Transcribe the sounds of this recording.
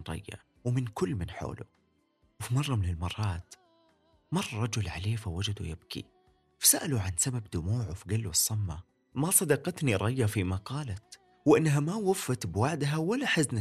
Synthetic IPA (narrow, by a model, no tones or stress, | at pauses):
nɾˤɑ̰jːa̰ | wmɪnkʊlːmɪnħo̰ːlṵ | wfimɑrˤːɑmɪnɪlmɑrˤːɑːt̪ | mɑrˤːɾˤɑd͡ʒʊlʕa̰leːfawad͡ʒad̪ujɪbkʰḭ | fḁsaʔaluʕansababd̪ʊmuːʕwfiɡalːusˤːɑmːa | masˤɑd̪ɑqɑt̪niɾˤɑjːafimaqɑːlat̪ | wʔɪnːɦamawafːat̪bwaʕd̪ɦawalːaħazna